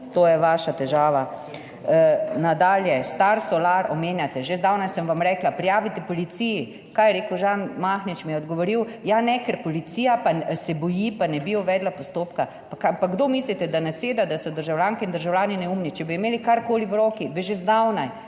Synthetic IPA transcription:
t̪oːjɛʋaːʃat̪ɛʒaːʋa | nad̪aːljɛst̪aɾsɔlaɾɔmeːnjat̪ɛʒezd̪awnajsəmʋamɾɛːklapɾijaːʋit̪ɛpɔlit̪siji | kaːjɛɾeːkəwʒanmaxnit͡ʃmijɛɔd̪ɡɔʋɔɾiwjanɛkɛɾpɔlit̪siːjapasɛbɔjipanɛbiuʋɛːd̪lapɔst̪oːpka | pkapaɡd̪omislit̪ɛd̪anaseːd̪ad̪asɔd̪əɾʒawljaːŋkɛind̪əɾʒawlʲjaːninɛumnit͡ʃɛbiimeːlikaɾkoːliwɾoːkibiʒezd̪awnaj

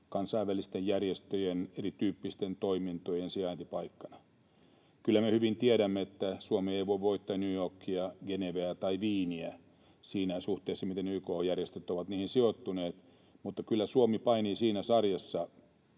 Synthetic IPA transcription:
kɑnsɑiʋːælist̪ejjærjest̪øjenerit̪yːpːist̪ent̪oimint̪ojensiɑint̪ipɑikːɑnɑ | kylːæmehyʋint̪ieɾæmːeet̪ːæsuomieiʋoiʋʋoit̪ːɑnyːjorkːiɑɡeneʋeæt̪ɑiʋiːniæ | siːnæsuht̪eːsːɑmit̪enyːkoːjærjest̪øt̪ːoʋɑt̪niːhinsiot̪ːuneːt̪ | mut̪ːɑkylːæsuomipɑiniːsiːnæsɑrjɑsːɑ

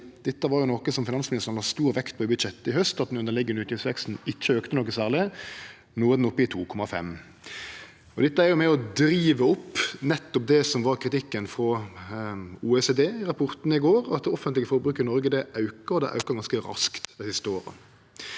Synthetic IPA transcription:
d̪̥ɛt̪ːəʋɑɾjʊnɔkəsɔmfɪnɑnsmɪnɪst̪əʁnɑst̪uːɾʋɛkt̪̚pʰɔbʉd̪ʃɛt̪ːəɪhœst̪ɑt̪̚d̪ɛnʉnd̪əlɪɡːənʉːt̪ʰjisʋɛkst̪n̩ɪçːəøːkt̪ənɔkːəsæːʁlɪ | nuːəd̪nɔpːəɪt̪ʰuːkʰɔmːɑfɛ̰m | ɔd̪ɛt̪ːəæɾjʊmɛɔd̪ɾiːʋəɔpːnɛt̪ːɔp̚d̪ɛsɔmʋɑʁkʰɾɪt̪ɪkːənfɾɔ | uːɛseːd̪eːɪʁɑpʰʊɾt̪nəɪɡoːɾɑ̰t̪̚d̪ɛɔfːənt̪lɡəfɔɾbɾʉːkːənɔɾɡəd̪ɛʔɑʉkəɾɔd̪ɛ̰ʔɑ̰ʉkəʁɡɑnskəɾɑ̰skt̪d̪ɛsɪst̪əoːɾə̰

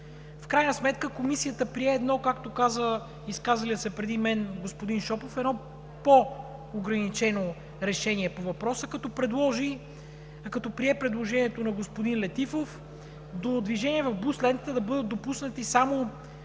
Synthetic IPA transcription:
fkɾajnəsmɛt̪kəkomisijət̪əpɾiɛːd̪nɔkakt̪okazə | iskazɐliəsɛpɾɛd̪imɛnɡospod̪inʃɔpofɛd̪nɔ | poː | ɡɾɐnit͡ʃɛno | ɾɛʃɛniɛpovɐpɾɔsəkɐt̪ɔpɾɛd̪lˠɔʒi | kɐt̪ɔpɾiɛpɾɛd̪lˠoʒɛniɛt̪onɐɡospod̪inlɛt̪ifof | d̪od̪viʒɛniɛvɐvbuslɛnt̪t̪əd̪ɐbɤd̪ət̪̚d̪opusnət̪isamo

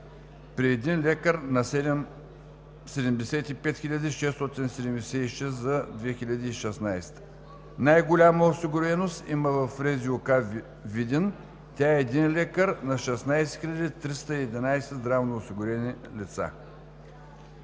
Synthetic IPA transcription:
pɾiɛd̪inlʲɛkəɾnɐsɛd̪ɛm | sɛd̪ɛmd̪ɛsɛt̪ipɛt̪xʲilʲad̪iʃɛst̪ɔt̪insɛd̪ɛmd̪ɛsɛiʃɛszɐd̪vɛxilʲɐd̪iːʃɛsnajst̪ə̥ | najɡolʲaməosiɡʊɾɛnost̪iməvɐfɾɛzioka | vid̪ʲɛn | t̪ʲaɛːd̪inlʲɛkəɾnɐʃɛsnajsɛ̥xilʲad̪ʲit̪ɾist̪əiɛd̪ʲinajsɛzd̪ɾavnoosiɡʊɾɛnilʲit̪sa̰

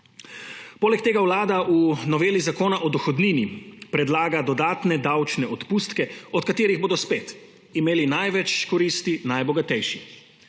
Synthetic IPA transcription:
poːlɛkt̪eːɡawlaːd̪aunɔʋeːlizakoːnaʔɔd̪ɔxɔd̪niːnipɾɛd̪laːɡad̪ɔd̪aːt̪nɛd̪awt͡ʃnɛɔt̪pust̪kɛɔt̪kat̪eːɾiɣboːd̪ɔspeːt̪ | imeːlinajʋɛt͡ʃkɔɾist̪inajbɔɡat̪ɛjʃi

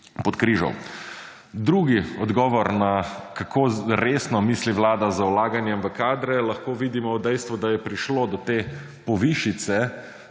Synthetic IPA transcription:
pɔt̪kɾiːʒɔ̰w | d̪ɾuːɡiɔd̪ɡɔːʋɔɾnakakʰoːɾeːsnɔmiːsliʋlaːd̪azaulaːɡanjɛmʋəkaːd̪ɾɛlɐxkoːʋiːd̪imɔɔd̪ɛjst̪ʋud̪ajɛpɾiʃloːd̪ɔt̪eː | pɔʋiʃit̪sɛ

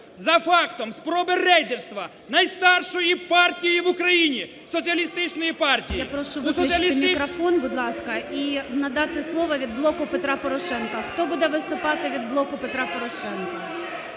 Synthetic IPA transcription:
zɐfɑkt̪ɔmspɾɔbɪrɛjd̪erst̪ʋɐ | nɐjst̪ɑrʃɔjipɑrtʲijiʋʊkɾɐjinʲi | sɔsʲiɐlʲist̪ɪt͡ʃnɔjipɑrtʲijapɾɔʃʊʋsɔɪiɐlʲiɪmʲikɾɔfɔnbʊd̪lˠɑskɐʔinɐd̪ɑt̪ɪslˠɔʋɐʋʲid̪̚blˠɔkʊpet̪ɾɑpɔɾɔʃɛnkɐxt̪ɔbud̪ɛʋɪst̪ʊpɑt̪ɪʋʲid̪̚blˠɔkʊpet̪ɾɑpɔɾɔʃɛnkɐ

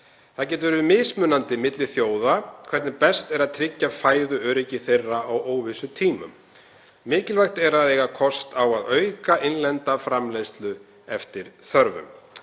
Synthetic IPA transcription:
θaðcɛːt̪ʏvʏɾvɪmɪːsmʏːnant̪ɪmɪt̪lɪθjoːwðakʰvɛɾt̪nɪpɛst̪ɛɾaðt̪ʰɾɪcːafaːjðʏœːɾecɪθejrːaawoːwvɪsʏt̪ʰiːmʏ̰mː | mɪːcɪlvajxt̪ɛɾaðejɣakʰɔst̪awaðœɥkaʔɪnlɛnt̪afɾamlejst̪lʏ | ɛft̪ɪɾ̥θœɾvʏ̰m

